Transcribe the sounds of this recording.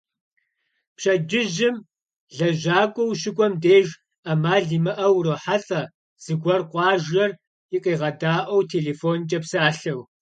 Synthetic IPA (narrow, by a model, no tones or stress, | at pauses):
pɕɐd͡ʒɪʒɪm | ɮɐʒaːkʷʼɔwɕɪkʷʼɔmdeːʒ | amaːɮiːmɨʔɐwroħaɬʼɐ | z̥ɨɡʷɐrqʷʼɑːʒɐr | ɪqʼeːʁɐdaːʔɐwtʰeːɮeːfoːnt͡ʃʼɐpsɨaːɬɐw